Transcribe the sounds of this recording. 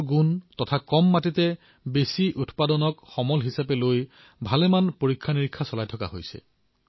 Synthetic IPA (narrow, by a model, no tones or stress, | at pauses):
ɡuntɔtʰakɔmːatitɛ | besiʔutpadɔnɔkxɔmɔlɦisapɛloj | bʱalɛmanpoɹikʰːaniɹikʰːasɔlajtʰɔka̰ɦo̰jsɛ̰